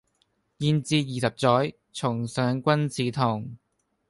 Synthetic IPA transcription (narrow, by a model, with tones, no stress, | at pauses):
jiː˧nt͡siː˧t̚jiː˨sɐ˨p̚t͡sɔː˨˥j | t͡sʰʊ˨˩ŋsœː˨˥ŋkʷɐ˥nt͡sʰiː˨˥t̪ʰʊ˨˩ŋ